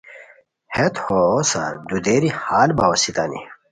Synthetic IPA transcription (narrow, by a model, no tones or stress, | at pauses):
het̪hosa̰ɾd̪ud̪eɾihaːlbawɐsit̪anḭ